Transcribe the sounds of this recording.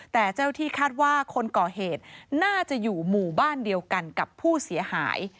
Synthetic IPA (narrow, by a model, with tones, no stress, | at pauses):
t̪ɛː˨˩t͡ɕaː˥˩wt̪ʰiː˥˩kʰaː˥˩t̪̚waː˥˩kʰo˧nkɔː˨˩ɦeː˨˩t̪̚naː˥˩t͡ɕa˨˩juː˨˩muː˨˩baː˥˩ndi˧əwka˧nka˨˩pʰːuː˥˩si˩˦əha̰ː˩˦j